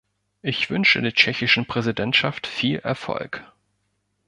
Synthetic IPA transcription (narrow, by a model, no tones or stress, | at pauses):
ʔɪçv̥ʏnʃə̰deːɐt͡ʃɛçɪʃn̩pʁ̥ɛzidɛntʃaftfiːlʔɛ̰ɐfɔ̰lk